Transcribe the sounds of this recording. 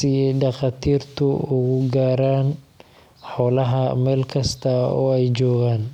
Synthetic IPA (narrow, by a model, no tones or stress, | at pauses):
sɪɛjɖɑqɑːt̪ʰiːrt̪ʰʊʊɣʊɡaːɾaːn | ħɔːlɐɦɐmɛːlkʰɐst̪ʰɐɔ̰ːɛjt͡ʃɔːɣaːn